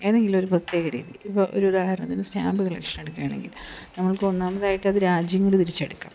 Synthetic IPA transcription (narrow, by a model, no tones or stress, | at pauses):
e̞ːðe̞ŋɡilo̞ɾuprɐt̪jeːɣɐɾḭːðiipːoʔo̰ɾuud̪aːhɐɾɐnɐt̪ːinusna̰ːbiɣɐɭekʂɐɳɐeɽukːɐjaːɳḛŋɡilnɐmːɐɭkɨo̞nːaːmɐðaːjiʈːɨɐðɨɾaːd͡ʑjɐŋːɐɭɽut̪̬iɾit͡ɕːɐɽukːa̰ːm